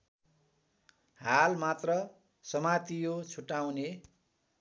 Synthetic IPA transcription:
ɦalmat̪rʌ | sʌmat̪ijot͡sʰuʈawne

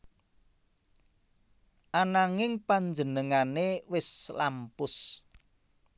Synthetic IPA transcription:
ʔanaŋɪŋpaɲd͡ʒənəŋanewɪslampʊs

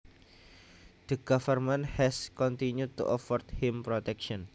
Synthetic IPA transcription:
d̪̥əɡ̥afərmɛ̃nt̪hɛskɔnt̪injut̪ṵʔɔfɔrt̪hɪmpɾɔt̪ɛkʃɔn

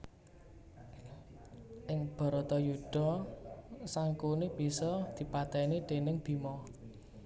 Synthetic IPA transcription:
ʔɪŋb̥ɔ̤ɾɔt̪ɔjuɖ̥ɔ̤ | saŋkunib̥i̤sɔd̪̥i̤pat̪ɛnid̪̥e̤nɪŋb̥i̤mɔ

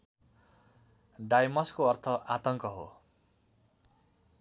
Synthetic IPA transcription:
ɖajmʌskoʌrt̪ʰʌʔat̪ʌŋkʌɦo̰

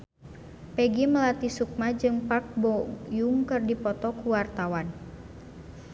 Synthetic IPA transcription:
pɛɡiməlat̪isuk̚mad͡ʒɨŋpak̚bɔjuŋkərdipɔt̪ɔkuwart̪awan

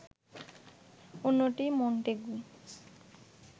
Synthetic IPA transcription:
onːoʈimoɳʈeɡu

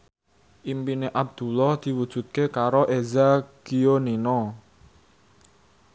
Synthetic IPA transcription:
ʔimpineʔab̚d̪̥ṳlɔhd̪̥i̤wud̥ʒ̥ṳt̪̚kekaɾoʔezaɡ̥ioninɔ

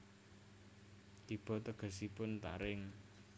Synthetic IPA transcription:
t̪ib̥ɔ̤t̪əɡ̥ə̤sipʊnt̪a̰ɾɪŋ

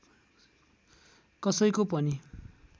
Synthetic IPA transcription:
kʌsʌjkopʌni

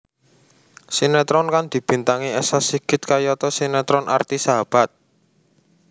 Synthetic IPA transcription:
sinɛt̪ɾɔnkand̪̥i̤b̥i̤nt̪aŋiɛsasiɡ̥ɪt̪̚kajɔt̪ɔsinɛt̪ɾɔnʔa̰rt̪isaɦab̥a̤t̪̚

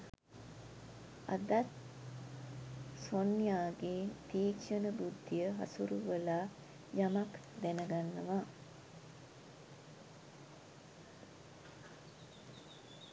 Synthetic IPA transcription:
a̰d̪at̪ | sonjaːɡet̪iːkʃənəbud̪ʱːijəɦa̰suɾuʋəla | jamak | d̪ɛnəɡanːəʋa

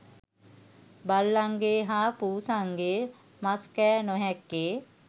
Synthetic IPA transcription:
balːaŋɡeːɦaːpuːsaŋɡeː | maskɛːnoɦɛkːeː

